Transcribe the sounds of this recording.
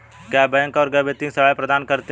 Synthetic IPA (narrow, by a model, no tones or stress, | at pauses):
kjabɛ̃ːŋkɔːɾɡəbet̪ĩsɐʋaːjpɾɐd̪aːnkɐɾt̪e